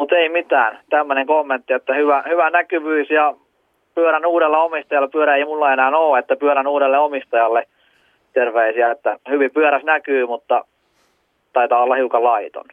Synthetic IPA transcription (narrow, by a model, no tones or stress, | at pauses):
mut̪eimit̪æːnt̪æmːøneŋkomːent̪ːiet̪ːæhyʋæhyʋænækyʋyːsjɑ | pyøɾænuːɾelːeomist̪ɑjɑlːepyøɾæeimulːɑenæːnoːet̪ːæpyøɾænuːɾelːeomist̪ɑjɑlːe | t̪erʋeisiæet̪ːæhyʋipyøɾæsnækyːmut̪ːɑ | t̪ɑit̪ɑːolːɑhiukɑllɑit̪o̰n